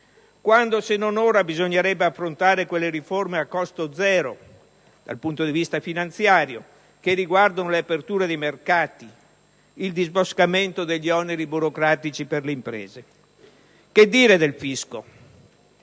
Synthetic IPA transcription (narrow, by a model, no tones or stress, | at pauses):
kwand̪osenːonoːɾabizoɲːeɾɛbːeafːɾont̪aːɾekwelːeɾiformeakːɔst̪od̪zɛːɾo | d̪̥a̰lpunt̪od̪ivist̪afinant̪sjaːɾjo | kerːiɡward̪onoleapert̪uːɾed̪ejmerkaːt̪i | ild̪izboskament̪od̪eʎːiɔneɾibuɾokɾaːt̪it͡ʃiperleimpɾḛːze | ked̪ːiːɾed̪elfisko